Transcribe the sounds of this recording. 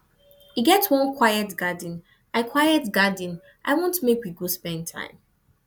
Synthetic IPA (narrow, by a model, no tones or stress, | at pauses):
iɡɛtwɔ̃nkʰw̥ajɛtɡadĩn | ʔaɪkʰwaɪɛtɡadĩn | ʔaɪwõntmekwiɡospɛ̃ntʰã̰ɪ̃m